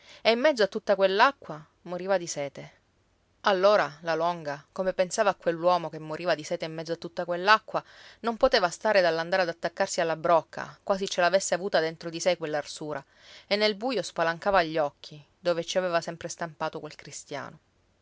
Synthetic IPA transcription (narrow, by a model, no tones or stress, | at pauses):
eimːɛd̪zoat̪ːut̪ːakwelːakːwa | moɾiːvad̪isɛːt̪e | alːoːɾalalɔŋɡakomepensaːvaːkːwelːwɔːmokemːoɾiːvad̪isɛːt̪eimːɛd̪zoat̪ːut̪ːakwelːakːwanompot̪eːvast̪aːɾed̪alːand̪aɾead̪at̪ːakːarsialːabɾɔkʰːa̰kwaːzit͡ʃelaːvesːeavuːt̪ad̪ent̪ɾod̪isekwelːarsuːɾʔa | enːelbujospalaŋkaːvaʎːɔkʰːi | d̪oːvet͡ʃiaveːvasɛmpɾest̪ampaːt̪okwelkɾist̪ja̰ːno